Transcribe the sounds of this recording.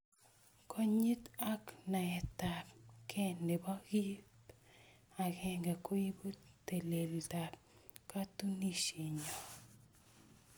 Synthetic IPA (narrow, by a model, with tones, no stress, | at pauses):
kʰo˦ɲi˦t̪a˦kna˨ɛ˨t̪a˨p̚kʰɛ˦ne˨ba˦ɡi˦p | a˨ɡɛ˦ŋɡa˨ko˦ji˦bu˦t̪e˨le˨lta˨p̚ | ka˦t̪u˦ni˦ʃi˨ɲɔ˨